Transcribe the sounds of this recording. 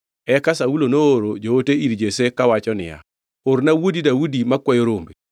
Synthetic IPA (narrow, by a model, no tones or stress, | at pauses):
ɛkasaulonooɾod͡ʒooteiɾd͡ʒesekawat͡ʃɔnɪ̰ja̰ | oɾnawodidaudimakwɛjoɾombe